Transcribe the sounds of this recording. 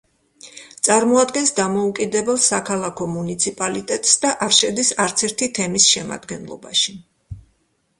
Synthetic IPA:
t̪sʼaɾmɔad̪ɡɛnsd̪amɔukʼid̪ɛbɛlˠsakʰalˠakʰɔmunit̪sʰipʼalit̪ʼɛt̪ʼsd̪aʔaɾʃɛd̪isaɾt̪sʰɛɾt̪ʰit̪ʰɛmisʃɛma̰d̪ɡɛnlˠɔ̰ba̰ʃi

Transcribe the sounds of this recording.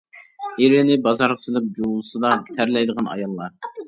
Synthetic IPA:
eɾɪnɪbɑzɑɾʁəsɨlˠɨp̚d͡ʒowlˠɨsɨd̪ɑt̪ʰæɾlɛjd̪əʁɑnɑ̰jɑlˠːɑ

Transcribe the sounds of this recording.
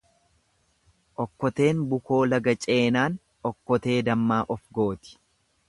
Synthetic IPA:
ʔɔkːɔt̪e̞ːnbʊko̞ːlɐɡɐt͡ʃʼe̞ːnaːn | ɔkːɔt̪e̞ːd̪ɐmːaːʔɔfɡo̞ːt̪ɪ̥

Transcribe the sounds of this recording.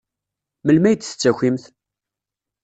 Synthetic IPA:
məlmæjt̪ːθə̥t͡sːæçimθ

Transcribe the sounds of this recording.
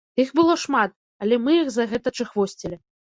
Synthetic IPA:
ixbɨlˠɔʂmat̪̚ | ɐlʲɛmɨjixzɐɣɛt̪ɐt͡ʂɨxvɔsʲt͡sʲilʲi

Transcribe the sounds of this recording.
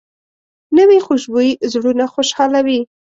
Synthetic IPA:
nəwixoʃbojzɽunaxoʃhɑlawi

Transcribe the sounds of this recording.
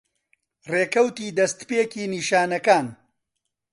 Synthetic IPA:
reːkɐwt̪iːd̪ɐst̪peːkiːniːʃaːnɐkaːn

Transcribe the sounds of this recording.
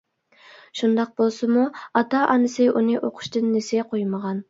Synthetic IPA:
ʃund̪ɑq̚bolˠsɨmuɑt̪ɑʔɑnɨsɨʔunɨʔoqʰʊ̥ʃt̪ɨnːesɪɡʲɛqʰojməʁɑn

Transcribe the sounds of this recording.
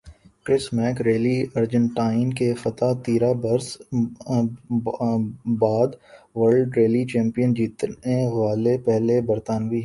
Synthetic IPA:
kɾɪsmɛːkɾeːliəɾd͡ʒə̃ɳʈaːɪnkefɐt̪at̪iːɾabɐɾs | baːd̪ʋəɾlɖɾeːlit͡ʃɛ̃ːmpijənd͡ʒiːt̪nẽʋaːlepɛɦlebɐɾt̪aːnbiɦɛ

